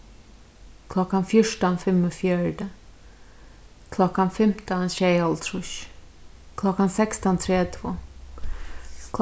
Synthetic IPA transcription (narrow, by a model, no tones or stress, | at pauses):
kʰlɔkːanfjɔʂʈɔnfɛmɔfjœːɖə | kʰlɔkːanfɛmt̪ənɕɛjɔlt̪ʰɾuɕ | kʰlɔkːansɛkst̪ɔnt̪ʰɾeːt̪ʰvo